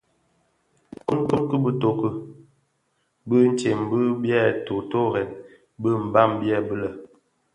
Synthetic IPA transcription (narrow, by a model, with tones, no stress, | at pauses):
ku˦mkɨ˦mkə˦bə˦to˨kə˦ | bə˦n̩˨˦t͡ʃe˨m˨bə˦bjɛ˦˨to˨to˦ɾɛ˨n | bə˦m̩˨ba˦˨mbjɛ˦˨bə˦lə˨